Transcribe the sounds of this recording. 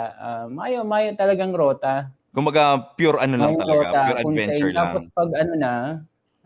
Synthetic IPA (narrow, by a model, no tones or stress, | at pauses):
ʔamɐʔaːjomɐʔaːjot̪ɐlɐɡaŋɾoːt̪ɐ | kʊmbɐɡapjuɾʔɐnolɐŋj̪ɐɾɐoːt̪ɐuɾɐkʊnɛnɛt͡ʃjɛɹt̪a̰ːpospɐɡɐnonɐ